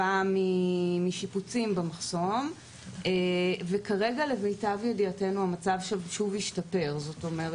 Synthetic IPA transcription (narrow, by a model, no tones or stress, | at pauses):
amːimiʃiput͡simbemaχso̞m | evekaʁe̞ɡalemejtavjediate̞nuamat͡savʃelʃuvhiʃtape̞ʁzo̞to̞me̞ʁe